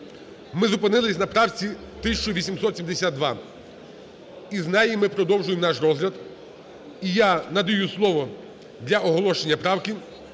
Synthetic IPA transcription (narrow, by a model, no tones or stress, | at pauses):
mɪzʊpɪnɪlˠɪsʲnɐpɾɑwt͡sʲi | t̪ɪsʲɐt͡ʃɔʋʲisʲimsɔt̪sʲimd̪esʲad̪d̪ʋɑ | iznɑjɪmɪpɾɔd̪ɔwʒʊjemnɑʃrɔzɦlʲɐd̪ | ijanɐd̪ɐjuslˠɔʋɔ | d̪lʲɐɔɦɔlˠɔʃenʲːɐpɾɑwkɪ